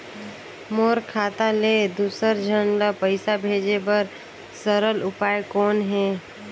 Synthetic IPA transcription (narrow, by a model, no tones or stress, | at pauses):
moːɾkʰaːt̪aleːd̪uːsəɾd͡ʒʱənləpəɪsabʱeːd͡ʒebəɾ | səɾəlʊpaːjkɔːnɦɛː